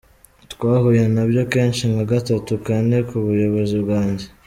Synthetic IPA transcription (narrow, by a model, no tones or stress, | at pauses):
tkwaːhujenabjo̞ke̞ːnʃinaɡatatukane̞kuβujo̞βo̞zibɡaːɲɟe̞